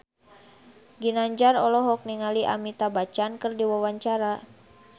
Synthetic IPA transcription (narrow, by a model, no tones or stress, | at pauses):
ɡinaɲd͡ʒarɔlɔɦɔk̚niŋaliʔa̰mit̪abat͡ʃankɨrdiwawaɲt͡ʃaɾa